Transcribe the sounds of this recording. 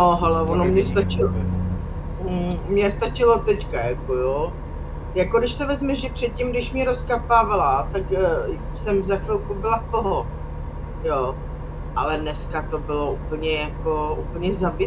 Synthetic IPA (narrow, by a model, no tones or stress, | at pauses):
noɦɛlɛvonomɲɛst̪at͡ʃɪlo | mɲɛst̪at͡ʃɪlo̞t̪ɛckajakojo | jakodɪʃt̪ovɛzmɛʒɛpr̝̥ɛt̪̚cɪmɡdɪʃmɲɛɾoskapaːvalat̪akː | sɛmzaxfɪlkubɪlapoɦo | jo | ʔalɛdnɛskat̪o̞bɪlo̞upl̩ɲɛjako̞ʔupl̩ɲɛzab